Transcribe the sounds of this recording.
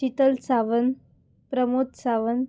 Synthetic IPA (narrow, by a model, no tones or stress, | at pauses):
it̪əlsaʋən | pɾəmot̪saʋən